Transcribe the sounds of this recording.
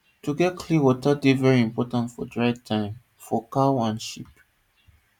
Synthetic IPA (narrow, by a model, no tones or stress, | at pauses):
tuɡɛt̚kʰliwɔtadevɛɹiĩmpɔtãntfɔ̰dɹaɪvtʰãɪ̃m | fɔkaʊãnʃḭp